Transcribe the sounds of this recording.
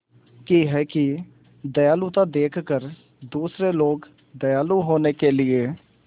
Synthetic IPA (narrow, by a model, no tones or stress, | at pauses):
kiɦɛki | d̪əjaːlut̪ad̪eːkʰkəɾ | d̪uːsɾeloːɡ | d̪əjaːluɦoːnekelɪeː